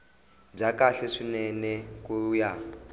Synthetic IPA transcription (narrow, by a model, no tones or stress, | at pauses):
b͡ʐakaɬɛʂinɛnɛkuja